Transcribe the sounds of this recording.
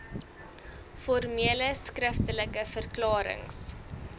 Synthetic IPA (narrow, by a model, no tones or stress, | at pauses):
fɔrmiələskrəftələkəfərklɑːɾə̰ŋs